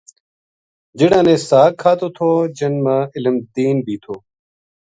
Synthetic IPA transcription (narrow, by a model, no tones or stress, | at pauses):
d͡ʒɪɽãːnẽːsaːkʰːaːt̪oːt̪ʰoːd͡ʒənmãːɪləmd̪iːnbʱiːt̪ʰoː